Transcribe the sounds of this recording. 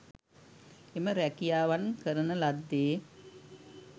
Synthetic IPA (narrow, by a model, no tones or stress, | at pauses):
eməɾækijaːʋankəɾənəlad̪ːeː